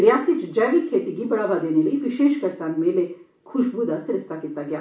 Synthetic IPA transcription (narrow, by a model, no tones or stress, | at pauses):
ɾɪjaːsit͡ʃd͡ʒaːʋikʰːeːt̪iɡibɐɽaːʋad̪eːneləiʋɪʃeːʃkɐɾsãːnmẽːle | kʰʊʃbud̪asɪɾəst̪akiːt̪aɡɪjaː